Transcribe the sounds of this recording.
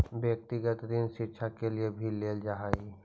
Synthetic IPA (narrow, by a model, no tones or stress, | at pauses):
bjək̚t̪ɪɡət̪d̪inʃɪɾʃʰakeliebʱilːeːld͡ʒaɦaːi